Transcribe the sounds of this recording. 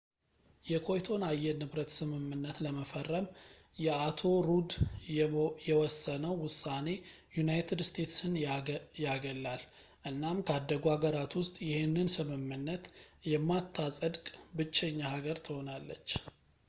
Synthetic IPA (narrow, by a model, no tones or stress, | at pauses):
jɛkʰo̞jt̪ʰo̞najːɛnɨβɾət̪sɨmɨmːɨnːət̪ləməfərːəm | jɛat̪ʰo̞ɾud̪ | jɛwɔsːənəwwʊsːane̞ | junajt̪ʰɨdst̪ʰe̞t̪sɨnjaɡəlːal | ʔɨnːamkʰəad̪ːəɡoaɡəɾat̪wʊst̪ʼjɪhenːɨnsɨmɨmːɨnːət̪jɛmːat̪ʰːasʼəd̪kʼbɨt͡ʃːɛɲːahaɡəɾt̪ʰɨho̞nalːət͡ʃː